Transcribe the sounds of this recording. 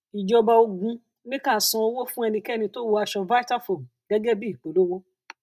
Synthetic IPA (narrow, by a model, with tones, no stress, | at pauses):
i˨d͡ʒɔ˧ba˧o˧ɡũ˧ | nĩ˦kã˦˨sɔ̃˧o˧wo˦fũ˦ɛ˧nĩ˧kɛ˦nĩ˧to˦wo˧˦a˧ʃɔ˧va˦i˦ta˦fo˨ɡ̥ɛ˦ɡɛ˦bi˦i˨k͡po˨˦lo˦wo˦